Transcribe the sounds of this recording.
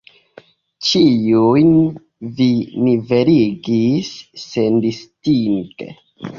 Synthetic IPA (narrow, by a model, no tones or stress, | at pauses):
t͡ʃijujn | vinive̞ɾiɡisːendistiŋtḛ